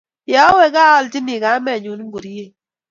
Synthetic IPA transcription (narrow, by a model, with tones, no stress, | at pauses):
jɔ˨˦we˦ka˦ɔ˦lti˦ni˨ka˨˦mɛ˨ɲu˨n˦ɡu˨ɾi˦je˦˨